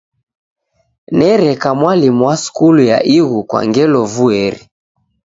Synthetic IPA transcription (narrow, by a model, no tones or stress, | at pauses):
nɛɾɛkamwalimuwasu̥kuluja̰ʔiɣukwa̰ŋɡɛlɔvuɛɾi